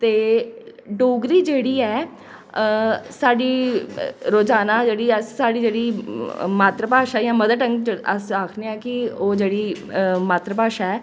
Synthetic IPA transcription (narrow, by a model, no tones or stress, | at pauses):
t̪eː | ɖoːɡɾiːd͡ʒeːɽiːɛː | saːɖiː | ɾoːd͡ʒaːnaːd͡ʒeːɽiːəssaːɖiːd͡ʒeːɽiːmaːt̪ɾəpaːʃaːjãːməd̪əʈəŋɡəsaːkʰneːɛːkɪoːd͡ʒeːɽiː | maːt̪ɾəpaːʃaɛː